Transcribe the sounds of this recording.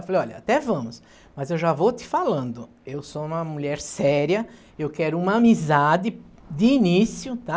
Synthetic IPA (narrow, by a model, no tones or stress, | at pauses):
falejɔʎɐa̰t̪ɛvɐ̃mʊs | mɐzewʒavowt̪ɪ̥falɐ̃nd̪ʊ | ewsoũmɐmuʎɛɾsɛɾjɐ | ewkɛɾʊũmɐamizad̪ɪ | d̪ɪinisjʊt̪a